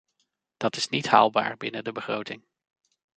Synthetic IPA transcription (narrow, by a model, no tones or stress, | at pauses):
d̥ɑtɪsnitɦa̰ːlˠba̰ːɹbɪnədəbəχrowtɪŋ